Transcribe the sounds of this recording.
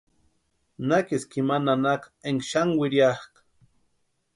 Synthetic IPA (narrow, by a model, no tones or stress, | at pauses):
nakiskimananakeŋʃaŋwiɾjahk